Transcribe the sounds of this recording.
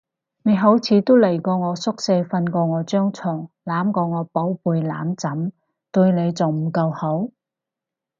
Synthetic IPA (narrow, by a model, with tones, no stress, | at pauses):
ne˨˧jɦo˨˥wt͡sʰiː˨˧t̪o˥wlɐ˨˩jkɔː˧ŋɔː˨˧sʊ˥k̚se˧jfɐ˧nkɔː˧ŋɔː˨˧t͡ʃœː˥ŋt͡sʰɔː˨˩ŋ | laː˨˥mkɔː˧ŋɔː˨˧po˨˥wpuː˨˧jlaː˨˥mt͡sɐ˨˥m | t̪ɵ˧ɥne˨˧jt͡sɐ˨˩wm̩˨˩kɐ˧who˨˥w